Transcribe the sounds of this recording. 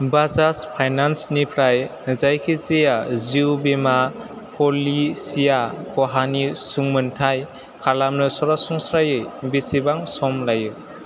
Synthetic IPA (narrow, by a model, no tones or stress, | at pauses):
bazaspʰajnansnipʰɾajzajkʰizijaziwbema | pʰɔlisijakʰɔɦanisuŋmɯntʰaj | kʰalamnɯsɔɾasɔŋsɾajɯjbisibaŋsɔmlajɯ